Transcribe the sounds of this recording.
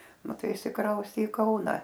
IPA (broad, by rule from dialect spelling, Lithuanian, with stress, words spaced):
nʊ ˈtɐɪ ɪʃʲsʲɪˈkrɐʊsʲtʲeː ɪ ˈkɐʊnɐ